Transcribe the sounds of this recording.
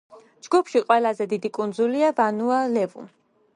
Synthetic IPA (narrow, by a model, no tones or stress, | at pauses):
d͡ʒɡupʰʃiqʼwɛlazɛd̪id̪ikʼund̪zuliavanualɛvṵ